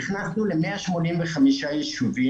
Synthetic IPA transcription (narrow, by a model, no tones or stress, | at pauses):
χnasnulemeaʃmonimveχamiʃajiʃuvi